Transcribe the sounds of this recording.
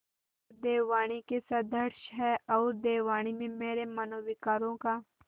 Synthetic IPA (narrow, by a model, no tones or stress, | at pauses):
ɾd̪eːʋaːɽ̃ikesɐd̪əɾʃɦɛːɔːɾd̪eːʋaːɽ̃imẽmeːɾemɐnoːʋikɐɾõːkaː